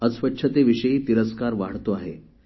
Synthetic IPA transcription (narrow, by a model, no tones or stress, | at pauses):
əsʋətːɕʰət̪eʋiɕəiːt̪iɾəskaɾʋaɽ̤t̪oaɦḛ